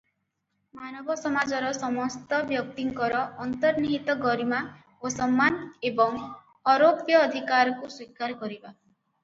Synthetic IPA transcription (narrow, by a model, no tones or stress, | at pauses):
manɔbɔsɔmad͡ʒɔɾɔsɔmɔst̪ɔbjɔk̚t̪iŋkɔɾɔːnt̪ɔɾniɦit̪ɔɡɔɾima | osɔmːanebɔŋ | ɔɾopjɔːd̪ʱikaɾɔkuswikaɾɔkɔɾiba